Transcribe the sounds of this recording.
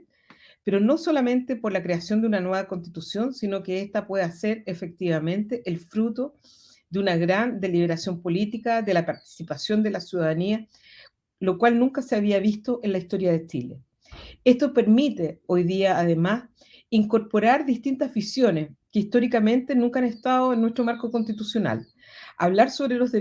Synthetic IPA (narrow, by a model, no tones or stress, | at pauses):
peɾono̞so̞lamẽ̞nt̪epoɾlakɾeasjo̞nd̪eunanweβakonst̪it̪usjo̞nsino̞keest̪apwe̞ðaseɾefe̞k̚t̪iβamẽ̞nt̪eʔelfɾut̪o | ðeunaɣɾand̪e̞liβeɾasjo̞mpo̞lit̪ikaðelapaɾt̪i̥sipasjo̞nd̪elasjuðaðania | lo̞kwalnũŋkaseaβ̞iaβist̪o̞ʔenlaist̪o̞ɾjaðe̞t͡ʃilḛ | est̪ope̞ɾmit̪eo̞jðiaːðe̞mas | iŋko̞ɾpoɾaɾðist̪int̪azβisjo̞neskeist̪o̞ɾikamẽ̞nt̪e̞nũŋkaaneht̪aðoenːwest̪ɾo̞maɾkoko̞nst̪it̪usjo̞na̰l | a̰βlaɾso̞βɾelo̞zðe